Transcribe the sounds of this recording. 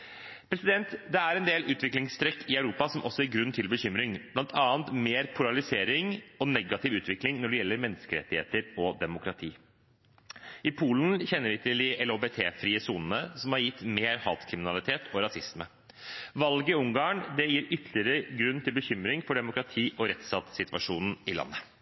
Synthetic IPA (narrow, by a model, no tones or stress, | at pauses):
pʰɾɛsɪd̪ɛnt̪d̪ɛæɾɛnd̪eːlʔʉːt̪ʰʋɪklɪŋst̪ɾɛkːɪœʉɾuːpɑsɔmʔɔsːɔæɾɡɾʉnːt̪ʰɪlbəçʏmɾɪŋblɑnt̪ʰɑːənt̪meːɾpʰʊɾɑlɪseːɾɪŋɔnɛɡɑt̪ʰɪʋʉːt̪ʰʋɪklɪŋnɔɖɛjɛlːəɾmɛnːəskəɾɛ̰t̪ːɪhḛːt̪əɾɔd̪ɛmʊkɾɑt̪ʰiː | ɪpʰuːln̩çɛnːəɾɪt̪lɪɛloːbɛt̪ʰeːfɾiːəsuːnənəsɔmhɑɾjɪt̪ːmeːɾhɑːt̪kʰɾɪmɪnɑlɪt̪ʰeːt̪ʰɔɾɑsɪsmə | ʋɑlɡəɪʊŋɡɑːɳd̪ɛjiːɾʏt̪ʰlɪəɾəɡɾʉnːt̪ʰɪlbəçʏmɾɪŋfɔɖɛmʊkɾɑt̪ʰiːʔɔɾɛt̪sɑt̪sɪt̪ʋɑʂuːnn̩ɪlɑ̰nːə